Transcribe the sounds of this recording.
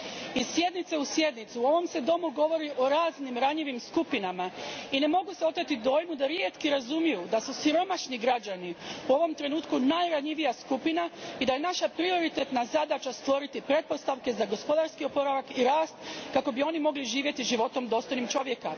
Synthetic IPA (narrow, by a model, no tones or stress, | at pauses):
iz̥sje̞d̪nit̪seusje̞d̪nit̪siuo̞ʋo̞mse̞d̪o̞muɡo̞ʋo̞ɾiʔo̞ɾaːznimɾaɲiʋimskupinamaine̞mo̞ɡuse̞o̞t̪et̪id̪o̞ːjmud̪aɾjeːt̪kiɾazumijud̪asusiɾo̞maʃniɡɾad͡ʑaniuo̞ʋo̞mt̪ɾe̞nuːt̪kunajɾaɲiʋijaskupinaid̪ajenaʃapɾio̞ɾit̪et̪nazad̪at͡ʃast̪ʋo̞ɾit̪ipɾe̞t̪̚po̞st̪aʋke̞zaɡo̞spo̞d̪aɾskio̞po̞ɾaʋakiɾaːst̪kako̞bio̞nimo̞ɡliʒiːʋje̞t̪iʒiʋo̞t̪o̞md̪o̞ːst̪o̞jnimt͡ʃo̞ʋje̞ka